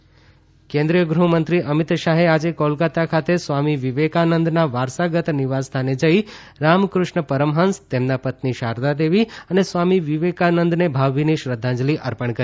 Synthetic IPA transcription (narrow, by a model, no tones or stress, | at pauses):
kẽnd̪ɾijəɡɾuɦumənt̪ɾiʔəmit̪ʃaɦead͡ʒekɔlɡat̪akʰat̪esʋamiʋiʋekanənd̪naʋaɾsaɡət̪niʋast̪ʰaned͡ʒəi | ɾamkɾʊʃɳəpəɾəmɦə̃nst̪emnapət̪niʃaɾd̪ad̪eʋiənesʋamiʋiʋekanənd̪nebʱaʋːiniʃɾəd̪ʱːãd͡ʒliʔəɾpəɳkəɾi